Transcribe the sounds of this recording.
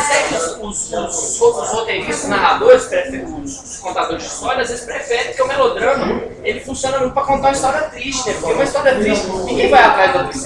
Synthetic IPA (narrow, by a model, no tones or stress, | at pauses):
at̪ɛkɪʊsʊsʊsshokʊzhot̪eɾiʃt̪ɐznaɦad̪oɾɪspɾɛfɛɾ̃ʊs | kõnt̪ad̪oɾɪzd͡ʒɪist̪ɔɾjɐazvezɪspɾefɛɾɪpʊ̥keumɛlod̪ɾɐ̃mɐelɪfũsiõnɐmũʊpɾɐkõnt̪aũɐist̪ɔɾiɐt̪ɾiʃt͡ʃɛpʊɾkeũmɐist̪ɔɾiɐt̪ɾiʃt͡ʃɪnĩɡẽj̃vajat̪ɾazd̪ɐd̪is